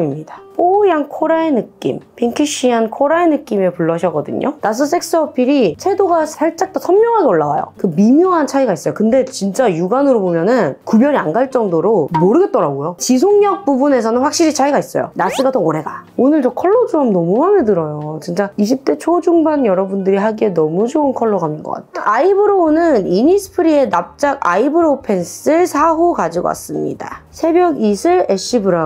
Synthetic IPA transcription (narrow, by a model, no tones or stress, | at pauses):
imɲid̥ap͈ojaŋkʰoɾaenɯkk͈ḭmpʰiŋkʰiɕ͈ʰiɦankʰoɾaenɯk͈imepuɭːʌɕʰʌɡʌdɯ̰ɲo̰nas̬͈ɯs͈ʰe̞k̚s͈ɯʌpʰiɾit͡ɕʰe̞doɡasʰaɭt͡ɕ͈ak̚t͈osʰʌmmjʌŋɦaɡeoɭːawa̰jo̰kɯmimjʌŋɦant͡ɕʰaiɡais͈ʌjokɯnde̞t͡ɕint͡ɕ͈ajuɡanɯɾobomjʌnɯnkubjʌɾianɡaɭt͡ɕ͈ʌŋdoɾomoɾɯɡe̞t̚t͈ʌɾaɡojot͡ɕis̬ʰoŋɲʌk̚p͈ubune̞s̬ʰʌnɯnɸwak̚ɕ͈iɾit͡ɕʰaiɡais͈ʌjo̰nas͈ɯɡatʌoɾe̞ɡaonɯɭd͡ʑʌkʰʌɭːod͡ʑuamnʌmumanedɯɾʌjot͡ɕint͡ɕ͈aiɕ̬ʰip̚t͈e̞t͡ɕʰod͡ʑuŋbanjʌɾʌbundɯɾiɦaɡie̞nʌmud͡ʑoɯnkʰʌɭːoɡamɯnɡʌk͈a̰tttaʔaibɯɾonɯniɲisʰɯ̥pʰɯɾie̞nap̚t͡ɕ͈aɡa̰ibɯɾopʰe̞ns͈ɯsʰaɦokad͡ʑiɡo̰wa̰s͈ɯmɲḭda̰sʰe̞bjʌɡisʰɯɭe̞ɕ͈ʰibɯɾa